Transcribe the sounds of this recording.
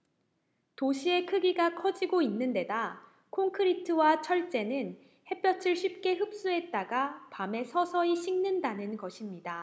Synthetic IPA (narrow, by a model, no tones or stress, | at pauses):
toɕʰie̞kʰɯɡiɡakʰʌd͡ʑiɡoinːɯnde̞da | kʰoŋkʰɯɾitʰɯwat͡ɕʰʌɭt͡ɕ͈e̞nɯn | he̞p͈jʌt͡ɕʰɯɭɕʰip̚k͈e̞ɦɯp̚s͈uɦe̞t̚t͈aɡapame̞sʰʌsʰʌiɕʰiŋnɯndanɯnɡʌɕʰimɲida